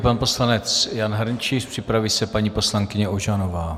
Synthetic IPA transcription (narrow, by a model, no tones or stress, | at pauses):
panpo̞slanɛt͡sjanɦɾɲt͡ʃispr̝̥ɪpɾaviːsɛpaɲiːpo̞slaŋkɪɲɛʔoʒanovaː